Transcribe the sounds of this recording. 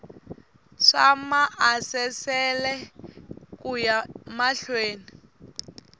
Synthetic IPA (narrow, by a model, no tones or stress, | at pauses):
ʂa̰maʔasɛsɛlɛ | kujamaɬweːni